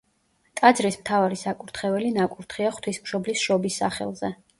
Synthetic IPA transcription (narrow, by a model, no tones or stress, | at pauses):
t̪ʼad̪zɾismt̪ʰavaɾisakʼuɾt̪ʰχɛvɛlinakʼuɾt̪ʰχiaχt̪ʰwismʃɔblisʃɔbisːa̰χɛ̰lˠzɛ